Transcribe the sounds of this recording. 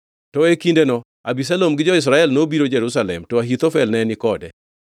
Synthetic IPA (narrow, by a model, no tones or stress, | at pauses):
tɔekindenɔ | abis̬alomɡɪd͡ʒɔɪs̬ɾaɛlnobiɾod͡ʒɛɾusalɛmtɔaɦit̪ofɛlnɛnɪkɔdɛ̰